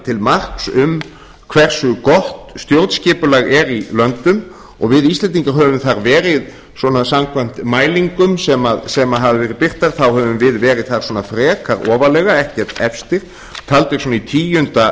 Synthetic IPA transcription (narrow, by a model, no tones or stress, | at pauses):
t̪ʰɪlmar̥ksʏm | kʰv̥ɛr̥sʏkɔht̪st̪jowɾt̪scɪːpʏlaɣɛɾilœnt̪ʏm | ɔ̰ɣvɪðist̪lɛnt̪iŋkaɦœːvʏmθaɾvɛːɾɪð | swɔːnasamkʰvam̥t̪maːjliŋkʏmsɛmaðsɛmaɦavɪvɛːɾɪpɪr̥t̪aɾ̥θawhœvʏmvɪðvɛːɾɪðθaɾ̥swɔːnafɾɛːkaɾɔːvalɛɣaɛhcɛrt̪ɛfst̪ɪɾ̥ | t̪ʰalt̪ɪsɔnait̪ʰiːjʏnt̪a